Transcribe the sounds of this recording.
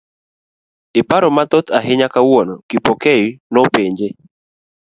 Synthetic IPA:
ɪpaɾɔmat̪ɔt̪ʰaɦɪɲakawonɔkipokejinɔpeɲd͡ʒe

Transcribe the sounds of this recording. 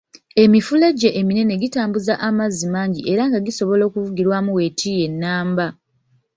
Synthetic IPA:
e̞mifuleɟːeʔːmine̞ne̞ɡitaːmbuzaʔamazːimaːɲɟiʔe̞ɾaŋɡaɡiso̞βo̞lo̞ːkuvuɡiɾwamuwe̞tʰije̞nːaːmba

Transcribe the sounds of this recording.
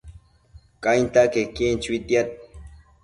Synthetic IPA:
kʼajnt̪akekːent͡ʃwit̪jat̪̚

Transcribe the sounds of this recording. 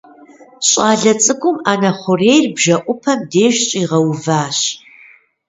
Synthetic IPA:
ɕʼɑːɮɐt͡sʼɨkʷʊmaːnɐχʷʊreːjrbʒɐʔʷʼʊpʰɐmdeːʒɕʼiːʁɐwvaːɕ

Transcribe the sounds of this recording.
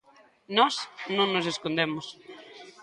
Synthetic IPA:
nɔsnõŋnoseskond̪emʊs

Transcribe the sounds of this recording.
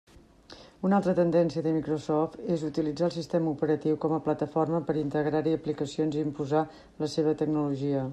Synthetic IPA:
unalˠt̪ɾət̪ənd̪ɛnsiəðəmikɾosɔft̪ezut̪ilid͡zaəlˠsist̪eməupəɾət̪iwkɔməplət̪əfɔrməpəɾint̪əɣɾaɾiəplikəsionziːmpuza | ləseβ̞ət̪əɡ̚nuluʒiə

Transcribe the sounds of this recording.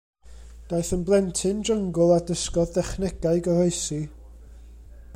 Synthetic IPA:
d̥aɨθənblˠɛntʰɨnd͡ʒəŋɡʊlˠadəskɔðdɛχnɛɡ̥aɨɡərɔɨsi

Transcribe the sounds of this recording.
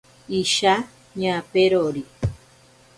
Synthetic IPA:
iʃa | ɲãpeɾoɾi

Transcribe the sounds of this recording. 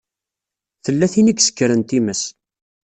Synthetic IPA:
θəlːæθiniɡsə̥kːəɾənt̪iməs

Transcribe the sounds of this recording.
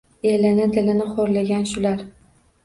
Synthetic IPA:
elɪnɪd̪ɪlɪnɪχoɾlaɡʲanʃʊlaɾ

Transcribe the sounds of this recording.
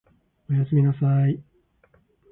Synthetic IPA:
ojasɨmʲinasaj

